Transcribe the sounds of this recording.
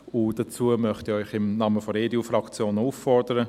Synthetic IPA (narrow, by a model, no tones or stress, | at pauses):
ʊd̥at͡suːəmœχtiœʏχɪmnɑːməfɔɾeːdiufrɑkt͡sjoːnuːffɔrdəɾə